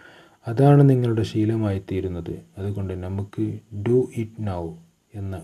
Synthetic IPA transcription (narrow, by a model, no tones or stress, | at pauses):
ɐðaːɳɨniŋːɐɭuɽe̞ɕiːlɐmaːjit̪ːijɾunːɐðɨ̰ɐðuɣo̞ɳɖɨnɐmukːɨɖuʔiʈnɐw | e̞nːɐ